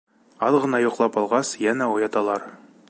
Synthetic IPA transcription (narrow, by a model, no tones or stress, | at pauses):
ɒlˠʁɤ̆nɑjŏqlˠɑpɒlˠʁɑsjænæujɑt̪ɑlˠɑɾ